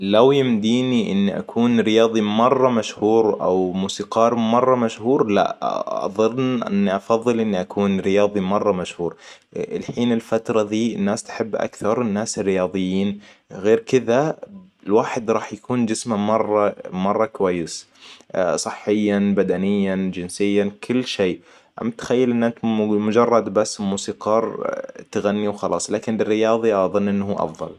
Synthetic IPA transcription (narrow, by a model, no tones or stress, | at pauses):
lawjɪmd̪iːniʔɪ̰nːiʔa̰kʰuːnɾɪjɑːðˤimɑrˤːɑmaʃhuːɾʔa̰wmuːsiːqɑːɾˤmɑrˤːɑmaʃhuːɾla̰ʔɑ̰ðˤɨnnʔɪ̰nːiʔɑfɑðˤːɨlʔɪnːiʔakʰuːnɾɪjɑːðˤimɑrˤːɑmaʃhuːɾ | ɪlħiːnɪlfat̪ɾˤɑðiːɪnːaːst̪ḁħɪbːʔa̰kθɑɾˤɪnːaːsrːɪjɑːðˤɨjːiːnɣeːɾkɪðalwaːħɪd̪ɾˤɑːħjakuːnd͡ʒɪsmamɑrˤːɑmɑrˤːɑkʊwajːɪs | sˤɨħːɪjːanbad̪anɪjːand͡ʒɪnsɪjːakʰɪlːʃeː | ʔa̰mt̪xajːalʔɪnʔant̪mʊd͡ʒɑrˤːɑd̪basːmuːsiːqɑːɾˤt̪ɪɣanːiwxɑlʔɑ̰ːsˤlaːkɪnbɪrːɪjɑːðˤiʔɑðˤɨnːʔɪnːɦuːʔɑ̰fðˤɑ̰l